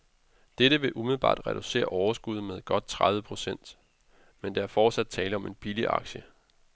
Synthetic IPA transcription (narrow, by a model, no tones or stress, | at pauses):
d̥eɾəʋe̝ʔumið̩ˠb̥ɑ̰̈ːd̥ʁɛd̥use̝̰ːɐʔɒʊɐsɡ̥uð̞̰ˠmeðˠɡ̥ɒ̽d̥̚t͡sʰʁaðˠʋəpʰʁo̝sen̰d̥ | mend̥eæɐfɒːd̥sæd̥̚t͡sʰɛːləɒ̽me̝nb̥iliʔɑ̈ɡ̥ɕə